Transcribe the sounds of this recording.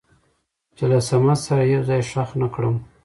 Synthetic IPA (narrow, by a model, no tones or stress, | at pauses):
t͡ʃɪlasamat̪saɾaheɾzajʃaxnakɽəm